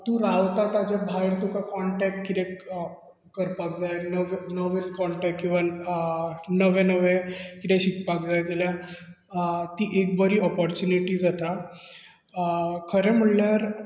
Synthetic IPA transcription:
t̪ũɾaʋt̪at̪ad͡ʑabʱajɾt̪ukakɔɳʈɛk̚ʈ̚kit̪ɛ̃k | kəɾpakd͡zajnəʋnəʋelkɔɳʈɛkkːĩʋa | nəʋẽnəʋekit̪ɛ̃ɕikpakd͡zajd͡zalja | t̪iːʔekbəɾiːɔpɔɾt͡ɕuniʈiːd͡zat̪a | kʰəɾem̤əɽljaɾ

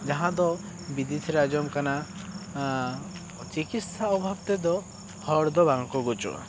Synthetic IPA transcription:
d͡ʒaɦãd̪ɔ | bid̪it̪ʰiɾad͡ʒɔmkana | t͡ʃikit̪saɔbʱabt̪ed̪ɔ | hɔɾd̪ɔbaŋkɔɡut͡ʃɔ̰

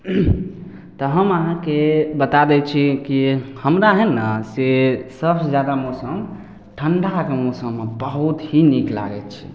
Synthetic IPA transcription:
t̪ɔɦəməɦãkebət̪ad̪ɛt͡ʃʰikihəmɾaɦɛnəsesəbsed͡ʒjad̪amosəm | ʈʰəɳɖakemosəmːebəɦut̪ɦinikla̰ɡɛt̪t͡ʃʰi̥

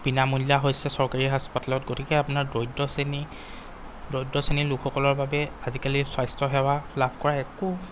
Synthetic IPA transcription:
b̥inamulːaɦojsɛsɔɹkaɹiɦaspatalɔtɡotʰikɛapʊnaɹdojdɔseni | dojdɔsenilukʰxɔkɔlɔɹbabɛazikaliswajstɔɦɛwalabʱkɔɹaɛku

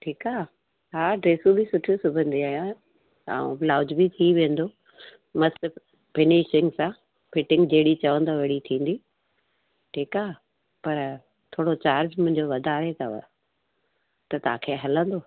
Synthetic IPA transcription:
ʈʰiːkaː | ɦaːɖɾeːsũbʱɪsʊʈʰjosʊbʱə̃nd̪iaːɦjã | a̰ṵ̃laːʊd͡ʑbit̪ʰiʋẽːn̆d̪o | mɐs | pɪniːʃɪ̃ŋɡsã | pɪʈɪ̃ŋɡd͡ʑeɦɪɽit͡ɕɐʋə̃nd̪oʋɐɽit̪ʰĩːn̆d̪i | ʈʰiːkaː | pɐɾ | t̪ʰoːɽot͡ɕaːɾd͡ʑmʊ̃ɦɪ̃ɲd͡ʑoʋɐd̪ʱaːɾet̪ʰɐʋə̰ | t̪ɐt̪ɐã̰ːkʰeːɦɐlə̃nd̪oː

